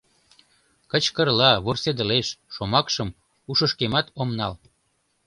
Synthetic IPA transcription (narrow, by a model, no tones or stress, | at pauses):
kət͡ɕkərlɑβorsed̪əleʃːomɑkʃəm | uʃəʃkemɑt̪omnɑl